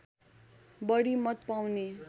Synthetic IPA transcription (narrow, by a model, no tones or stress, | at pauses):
bʌɽimʌt̪pawne